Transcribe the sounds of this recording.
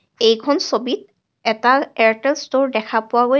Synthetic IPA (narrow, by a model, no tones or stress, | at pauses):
ejkʰɔnsobit̚ | ɛtaɛɹtɛlstoɹdɛkʰapʊabo